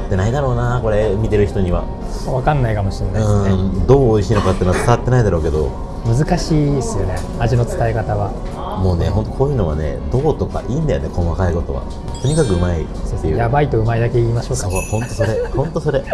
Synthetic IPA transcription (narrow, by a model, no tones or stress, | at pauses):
t̪ːe̞naid̪aɾo̞ːnako̞ɾe̞mʲit̪e̞ɾɯ̟çi̥t̪o̞ɲ̟iβa̰ | βakãnːaikamo̞ɕĩnːaɯĩsd̪o̞ːoiɕiːno̞kat̪ːeːnoat͡sɨ̥k̪aat̪ːe̞naid̪aɾo̞ːke̞d̪o̞̰ | mɯ̟zɨkaɕiːesɨjo̞ne̞ | aʑino̞t͡sɨ̥t̪aekat̪aβa | mo̞ːne̞ɦõ̞nt̪̬o̞kʰoːjɯ̟no̞βa̰nḛd̪o̞ːt̪o̞ka̰ʔiːnd̪ajone̞kõ̞βakaiɡo̞t̪o̞̰βa̰ | t̪o̞ɲ̟ikakɯ̟ɯ̟maḭsːeɯ̟jabait̪o̞ɯ̟maid̪ake̞iːmaɕo̞ːkaohõ̞nt̪oso̞ɾe̞hõ̞nt̪oso̞ɾe̞